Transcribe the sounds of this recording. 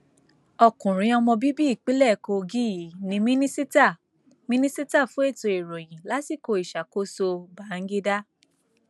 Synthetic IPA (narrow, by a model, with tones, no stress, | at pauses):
ɔ˧kũ˨ɾ̃ĩ˧˦ɔ˧mɔ̃˧bi˦bi˦i˦˨k͡pi˨˦lɛ˦˨ko˧ɡi˦ji˨˦nĩ˧mĩ˦nĩ˦si˦ta˦˨ | mĩ˦nĩ˦si˦ta˦˨fũ˨˦e˦˨to˧e˨ɾo˨j̃ĩ˨la˨˦si˦˨ko˧i˨ʃa˨ko˦so˧ba˨˦˨ŋ̩˦ɡe˦da˦